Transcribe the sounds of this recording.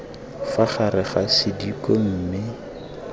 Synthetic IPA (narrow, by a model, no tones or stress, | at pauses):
faχaɾɪχasɪdikɔm̩ːmɪ